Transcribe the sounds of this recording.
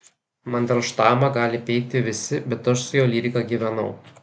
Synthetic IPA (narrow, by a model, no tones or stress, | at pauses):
mɐnd̪ʲɛlˠʃt̪ɑːmɐɡɑːlʲɪpʲɛɪk̚t̪ʲɪʋʲɪsʲɪbʲɛt̪ɐʃsʊjoːlʲiːɾʲɪkɑɡʲiːʋʲɛnɐ̰ʊ